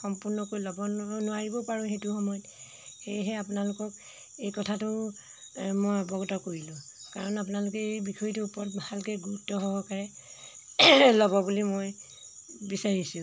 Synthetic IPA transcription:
xɔmpuɹnɔkojlɔbɔnʊaɹibɔpaɹʊ̃hetʊxɔmɔjɔt | ejɦɛapunalʊkɔk̚ | ejkɔtʰatʊ | mɔjɔbɔɡɔtɔkoɹilʊ̃kaɹɔnap̬unalʊkɛbikʰɔitʊupɔɔt̚bhalkɛɡutɔɦɔbɔkaɹɛ | lɔbɔbulimoj | bisaɹisũ

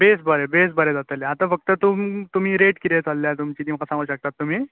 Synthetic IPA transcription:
besbəɾebes̬bəɾed͡zat̪əleat̪ãfək̚t̪ət̪umt̪um̤iːɾeʈkit̪et͡salːjat̪umt͡ɕit̪imkasãŋɡuːɕək̚t̪at̪ːum̤iː

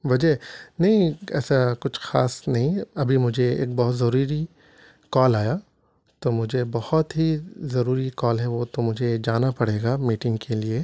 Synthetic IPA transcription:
ʋɐd͡ʒɛnɐɦĩɛ̰ːsakʊt͡ʃʰxaːsnɐɦĩɐbʱimʊd͡ʒʱeḛːk̚bɔɦʊt̪zɐɾuːɾi | kɔːlaːja | t̪oːmʊd͡ʒʱebɐhʊt̪ɦizɐɾuːɾikɔːlɦɛʋoːt̪omʊd͡ʒʱed͡ʒaːnapɐɽ̤eːɡaːmiːʈɪ̃ŋɡkʰelie

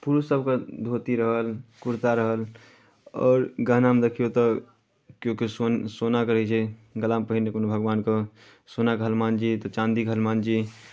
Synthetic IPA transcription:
puɾusəbʱked̪ʱot̪iɾəɦəlkuɾt̪aɾəɦəl | ɔ̰ːɾɡəɦnamd̪ekʰijot̪ɔ | kjõkisonsonakəɾəɦit͡ʃʰɛɡəlaːmpəɦinnekonobʱəɡʋaːnkə | sonakəɦəlmand͡ʒit̪ɔt͡ʃãnd̪ikəɦəlmand͡ʒi

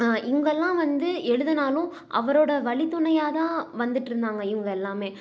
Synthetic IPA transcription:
ʔɪŋɡɛlːãːʋɐnd̪ɯɛɻɯðɐnaːlʊ̃ | ʔɐ̰ʋɐɾoːɽɐʋɐɭɪt̪ːʊɳɐjaːt̪ãːʋɐnd̪ɯʈːɪɾɯnd̪aːŋɡɐɪŋɡɐɛlːaːmeː

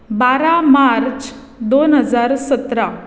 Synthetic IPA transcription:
baɾamaɾt͡ɕ | d̪onɦəd͡zaɾsət̪ɾa

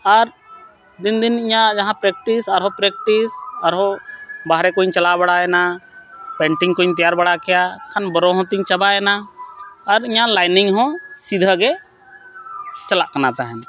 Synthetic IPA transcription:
aɾ | d̪ind̪iniɲad͡ʒaɦãpɾɛk̚ʈisaɾɦɔ̃pɾɛk̚ʈisaɾɦɔ̃baɦɾɛkoɲt͡ʃɐlabaɽaɛna | pɛɳʈiŋkoiɲt̪̬ijaɾbaɽakɛjakʰanbɔɾɔɦɔ̃t̪iɲt͡ʃɐbaɛnaː | ɾiɲalajniŋɦɔ̃sid̪ʱəɡɛ | t͡ʃɐlaʔkɐnat̪aɦɛn

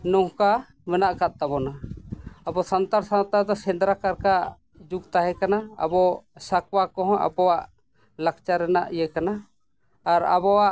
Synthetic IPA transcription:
nɔhka | mɛnaʔkat̪̚t̪abɔna | abɔsant̪aɾsant̪aɾd̪ɔsɛnd̪ɾakaɾkaʔ | d͡ʒuɡt̪aɦɛkanaa̰bɔsak̚wakɔɦɔ̃ʔa̰bɔwaʔ | lak̚t͡ʃaɾɛnaʔijɛkana | aɾa̰bɔwaʔ

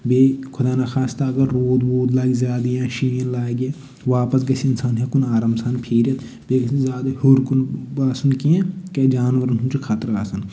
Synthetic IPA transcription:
beːkʰʊd̪aːnaxʰaːst̪ɐɐɡɐɾːoːd̪boːd̪laːɡizjaːd̪ijãːʃiːnlaːeɡeː | ʋaːpəsɡɐsiɪnsaːnɦekʊnaːɾaːmsaːnpʰeːɾɐt̪ | beːɡsizaːd̪ɐhoɾkunbaːsunkijãked͡ʒaːnʋəɾənʊnt͡ʃukʰaːt̪əɾaːsɐn

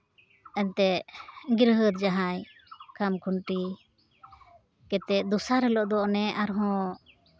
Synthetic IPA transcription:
ɛnt̪ɛʔɡiɾɦət̪̚d͡ʒaɦaj | kamkʰunʈi | kɛt̪ɛʔ̚d̪ɔsaɾɛlɔʔd̪ɔʔnɛaɾɦɔ̃

